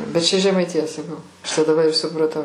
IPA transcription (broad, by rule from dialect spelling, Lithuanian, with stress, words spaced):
bʲɛt ˈt͡ʃʲɛ ʒʲɛmɐɪtʲɪˈjɛ sɐˈkɐʊ ˈɐʃ tɐɪ dɐˈbɐ ɪ sʊprɐˈtɐʊ